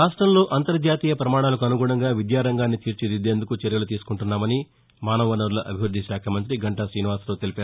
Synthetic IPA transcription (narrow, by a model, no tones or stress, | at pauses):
ɾaːʂʈɾɐmlo̞ːʔɐnt̪ɐɾd͡ʒaːt̪iːjɐpɾɐmaːɽ̃aːlɐkuɐnuɡuːɽɐŋɡaːʋid̪jaːɾɐŋɡaːnːit̪iːɾt͡ʃid̪id̪e̞ːnd̪ukut͡ʃɐɾjɐlut̪iːsu̥kuɳʈunːaːmɐni | maːnɐʋɐnɐɾlɐʔɐbʱiʋɾud̪ʱiʃaːkʰɐmɐnt̪̬ɾiɡɐɳʈɐsɾiːniʋaːslo̞ːt̪elipaːɾu